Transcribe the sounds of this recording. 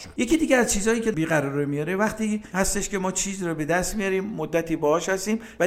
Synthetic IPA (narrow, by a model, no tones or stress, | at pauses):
je̞ciːd̪iːɟeæzt͡ʃʰiːzhɒːjiːcʰebiːɣæɾɒːɾemijɒːɾevæχt̪iːhæst̪e̞ʃkʰe̞mɒːt͡ʃʰiːziɾɔbe̞d̪æst̪mijɒɾiːmːod̪ːæt̪ʰiːbɒːɒːʃhæst̪iːm | væ